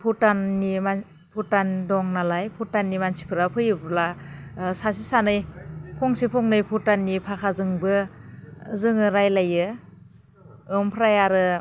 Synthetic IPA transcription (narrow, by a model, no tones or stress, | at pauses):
pʰutanːima | pʰutandɔŋnalajpʰutanːimansʰi̥pʰɯɾapʰɯjɯblasasisanɯjpʰɔŋsipʰɔŋnɯjpʰutanːipʰakʰazɯŋbɯ | zɯŋɯɾajlajɯ | ɯmpʰɾajaɾɯ